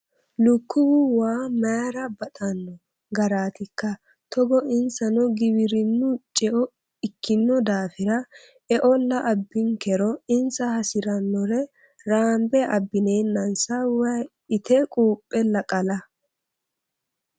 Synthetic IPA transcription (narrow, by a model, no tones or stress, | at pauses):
lʊkːʊwʊwaːmaːɾɐbɐt̪ʼɐnːɔ | ɡɐɾaːt̪ɪkːɐ | t̪ɔɡɔɪnsɐnɔɡɪbɪɾɪnːʊt͡ʃʼɛʔɔ | ɪkːɪnːɔd̪aːfɪɾɐ | ɛʔɔlːɐʔɐbːɪŋkɛɾɔɪnsɐhɐsɪɾɐnːɔɾɛ | ɾaːmbɛʔɐbːɪne̞ːnːɐnsɐwɐj | ɪt̪ɛkʼuːpʼːɛlɐkʼɐlɐ